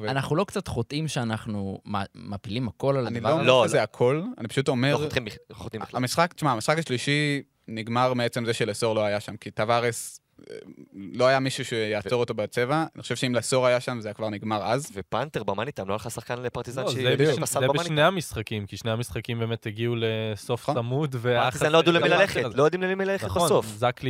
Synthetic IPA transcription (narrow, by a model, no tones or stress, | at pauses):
vanaχnulo̞kt͡sat̪χot̪ʔimʃeanaχnumamapilimhako̞lalaniloolʃezeakʰo̞la̰nipḁʃut̪o̞meʁimot̪imamisχakʃmaːmisχakaʃliʃi | niɡmaʁmeet͡se̞mzeʃeleso̞ʁloajaʃamkit̪avaʁes | lo̞ajamiʃuʃejaːt͡so̞ʁot̪o̞bet͡se̞vaaniχoʃevʃeimleso̞ʁajaʃamzajakvaʁniɡmaʁazvepant̪eʁbamanit̪amloalχasaχkanlepaʁt̪izanzeusazebneamisχakimkiʃneamisχakimbeːmetheɡiuleso̞ftamudvet̪izanload̪uleilaleχetlojod̪imlemimilaleχt̪osofzakli